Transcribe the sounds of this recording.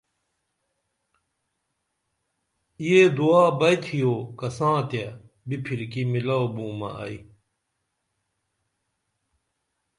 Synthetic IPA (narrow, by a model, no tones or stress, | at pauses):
ijed̪uaːbɐjt̪ʰijoːkɐsãːt̪ja | bipʰiɾkimilɐobũːmɐ̰ɐ̰i